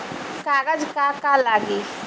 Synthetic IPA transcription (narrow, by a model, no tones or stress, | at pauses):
kaɡad͡ʒkakalaɡe